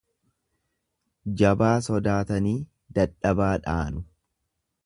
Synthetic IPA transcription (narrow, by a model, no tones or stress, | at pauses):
d͡ʒɐbaːsɔd̪aːt̪ɐniː | d̪ɐᶑɐbaːᶑaːnʊ